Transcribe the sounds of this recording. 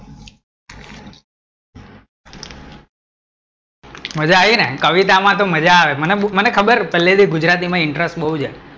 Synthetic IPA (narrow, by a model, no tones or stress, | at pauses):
məd͡ʒaːʋinekəʋit̪amãt̪̬oməd͡ʒaːʋemənemənekʰəbəɾpəlːed̪iɡud͡ʒɾat̪̬imãɪɳʈɾesʈɓəɦud͡ʒa